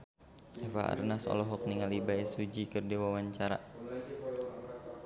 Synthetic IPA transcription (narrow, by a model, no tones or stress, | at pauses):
ɛfa̰a̰rnasɔ̰lɔɦɔk̚niŋalibaɛsud͡ʒikɨrdewawaɲt͡ʃaɾa̰